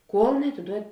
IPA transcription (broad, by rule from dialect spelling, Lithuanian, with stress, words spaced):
ˈkuɔlˠ nʲɛɐtʲɪˈduɔtʲ